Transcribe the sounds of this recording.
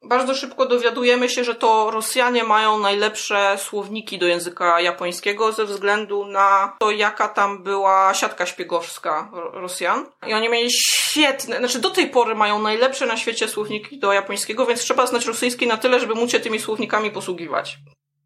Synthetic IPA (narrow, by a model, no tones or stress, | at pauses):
baɾd̪zɔʂɘpkɔd̪ɔvʲjad̪ujɛmɘɕɛʐɛt̪ɔɾɔsʲjaɲɛmajɔ̃w̃najlɛpʂɛswɔvɲikʲid̪ɔjɛ̃w̃zɘkajapɔj̃skʲɛɡɔzɛvzɡlɛnd̪unat̪ɔjakat̪ambɘwaɕat̪kaɕpʲjɛɡɔfskaɾɔsʲjan | ḭɔɲimʲjelʲiɕfʲjɛt̪nɛnat͡ʂɘd̪ɔt̪ɛjpɔɾɘmajɔ̃w̃najlɛpʂɛnaɕfʲet͡ɕɛswɔvɲikʲid̪ɔjapɔj̃skʲɛɡɔvʲjɛnt̪stʂɛbaznat͡ɕɾɔsɘjskʲejnat̪ɘlɛʐɛbɘmuɕɛt̪ɘmʲiswɔvɲikamʲipɔswuɡʲiva̰t͡ɕ